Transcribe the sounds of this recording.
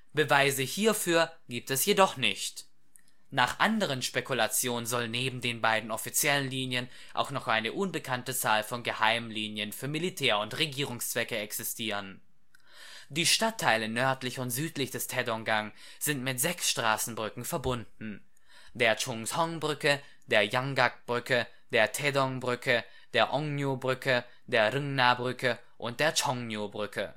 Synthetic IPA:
b̥əvaɪzəhiːɐfyːɐɡ̥iːp̚tɛsjedɔχnɪçt | naːχʔandəʁ̞ənʃpekulat͡sjoːnənzɔlneːbm̩deːnbaɪdn̩ɔfit͡sjɛlənliːnjən | ʔa̰ʊxnɔχʔaɪnəʔʊnbəkʰantət͡saːlfɔnɡəhaɪmliːnjənfyːɐmilitʰɛːɐʊntʁeɡiːʁ̞ʊŋst͡sv̥ɛkəɛksɪstʰiːʁ̞ən | d̥iːʃtatʰːaɪlənœɐtlɪçʊntz̥yːtlɪçd̥ɛstʰɛdɔŋɡaŋ | z̥ɪntmɪtz̥ɛksʃtʁ̥aːsn̩bʁʏkŋ̩fɛɐbʊndn̩ | d̥eːɐt͡ʃʊŋsɔŋbʁʏkə | d̥eːɐjaŋɡak̚b̥ʁʏkə | d̥eːɐtʰɛdɔŋbʁʏkə | d̥eːɐʔɔŋnjobʁʏkə | d̥eːɐʁɪŋnabʁʏkə | ʔʊnt̚d̥eːɐt͡ʃɔŋnjobʁʏkʰə̰

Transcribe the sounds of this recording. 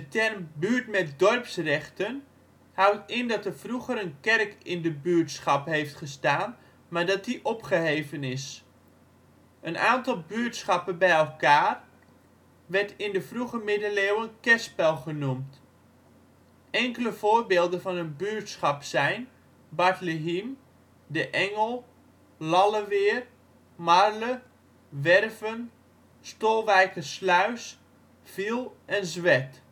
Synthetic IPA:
dətɛrmbyːɹtmɛtdɔrpsrɛχtən | hawtɪndɑtərfruχəɾənkɛrkɪndəbyːəɹtsχɑpɦejftχəstaːn | maɹdɑt̚diʔɔpχəɦejvənɪs | ʔənaːntɑlˠbyːtsχɑpənbɛjɛlˠkaːr | ʋɛɹtɪndəvruχəmɪdəleːwənkɛspɛlˠχənumt | ɛŋkələv̥oːrbeːlˠdənvɑnənbyːtsχɑpsɛjn | baɹtləɦim | dəʔɛŋəlˠ | lɑləʋɪːr | marlə | ʋɛrvən | stoːlˠʋɛjkəslœɥs | filˠɛnzʋɛt

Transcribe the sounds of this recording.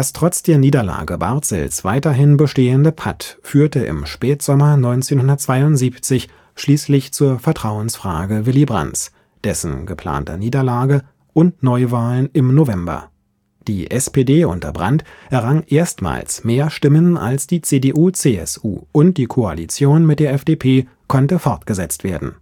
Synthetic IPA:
d̥astʁ̥ɔt͡sd̥eːɐniːdɐla̰ːɡəba̰ɐtz̥ɛ̰lsv̥aɪtɐɦɪnbəʃteːəndəpʰatfyːɐtəʔɪ̰mʃpɛːtz̥ɔmɐnɔʏnt͡seːnhʊndɐtt͡sv̥aɪʊntz̥iːpt͡sɪç | ʃliːslɪçt͡suːɐfɛɐtʁ̥aʊənsfʁ̥a̰ːɡəvɪlibʁa̰nt͡s | d̥ɛsn̩ɡəpʰl̥a̰ːntɐ̰niːdɐlaːɡə | ʔʊntnɔʏvaːlənɪmnovɛmbɐ̰ | d̥iːʔɛspeːdeːʔʊ̰ntɐ̰bʁa̰ntʔɛɐʁaŋʔeːɐstma̰ːlsmeːɐʃtɪməna̰lsd̥iːt͡seːdeʔuːt͡seːɛ̰sʔṵːʔʊnt̚d̥iːkʰoa̰lit͡sjoːnmɪt̚d̥eːɐɛfd̥eːpʰeː | kʰɔntəfɔɐtɡ̥əzɛt͡stv̥eːɐdn̩

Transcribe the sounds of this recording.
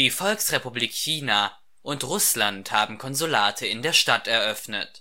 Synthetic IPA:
d̥iːfɔlksʁepubliːkçiːna | ʔʊntʁʊslanthaːbm̩kʰɔnzulaːtʰəɪndeːɐʃtatɛɐʔœfnə̰t

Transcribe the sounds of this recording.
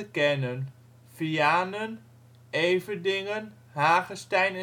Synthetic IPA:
əkɛnən | fiaːnən | ejvədɪŋən | ɦaːχəstɛjnɛ

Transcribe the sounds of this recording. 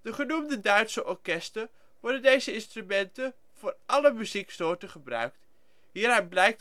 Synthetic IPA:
d̥əχənumdədœɥtsəʔɔɹkɛstər | ʋɔɹdəndejzəɪnstrymɛntən | v̥ʊːɹʔɑləmyziksnoːtəχəbrœ̰ɥk̚t | ɦiːɾanblɛjk̚t

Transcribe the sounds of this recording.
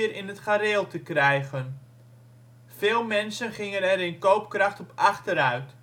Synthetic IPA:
əɾɪnətχaɾɪːlˠtəkrɛjɣən | fɪːlˠmɛnsənχɪŋənɛɾɪnkowp̚krɑχtɔpɑχtəɾœɥt

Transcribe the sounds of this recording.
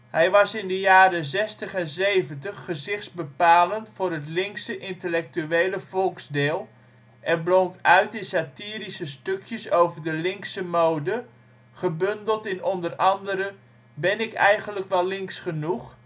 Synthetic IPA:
hɛjʋɑsɪndəjaːɾəzɛstəχɛnzejvəntəχːəzɪχtsbəpaːləntfʊːɾɦətlɪŋksəʔɪntəlɛk̚tyejləvɔlˠkzdɪːlˠ | ʔɛnbloŋkœɥtɪsatiːɾisəstøkʰjəsowvərdəlɪŋksəmowdə | χəbøndəlˠtɪnɔndərɑndəɾə | bɪnɪkɛ̰jχənləkʋɛlˠlɪŋksχənuχ

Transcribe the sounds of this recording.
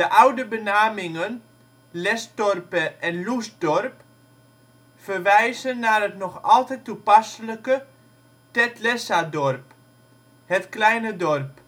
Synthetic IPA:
dəʔawdəbənaːmɪŋən | lɛsdɔrpəʔɛnlusdɔrp | fərʋɛjzənːarɦətnɔxɔlˠtɛjtːupasələkə | tɛtlɛsadɔrp | hətklɛjnədɔrp

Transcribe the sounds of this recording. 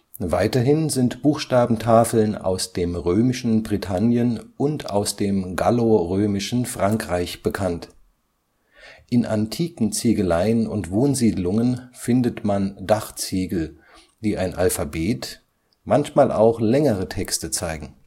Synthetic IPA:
vaɪtɐɦɪnzɪntb̥uːxʃtaːbm̩tʰaːfl̩na̰ʊsd̥eːmʁøːmɪʃn̩bʁitʰanjənʊnta̰ʊsd̥eːmɡaloʁøːmɪʃn̩fʁ̥aŋkʁ̥aɪçb̥əkʰant | ʔɪnʔa̰ntʰiːkŋ̩t͡siːɡəlaɪənʊ̰ntv̥oːnziːdlʊŋənfɪndətmandaχt͡siːɡl̩ | d̥iːʔaɪnʔalfabeːt | mançmaːlʔa̰ʊxlɛŋəʁətʰɛkstət͡saɪɡŋ̩

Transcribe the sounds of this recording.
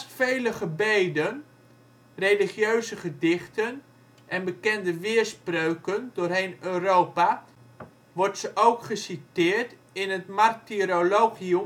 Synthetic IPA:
sfejləχəbejdən | rejliχjøɥzəχədɪχtən | ʔɛnbəkɛndəʋɪːrsprøɥkəndʊːrɦejnøːrowpa | ʋɔrtsəʔowkχəsitɪːrt | ɪnətmartiɾoloːχium

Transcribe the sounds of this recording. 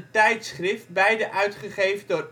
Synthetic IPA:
tɛjtsχrɪft̚bɛjdəʔœɥtχəχejvədʊr

